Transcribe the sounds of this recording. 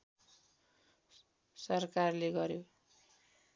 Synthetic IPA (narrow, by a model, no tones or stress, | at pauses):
sʌrkarleɡʌɾjo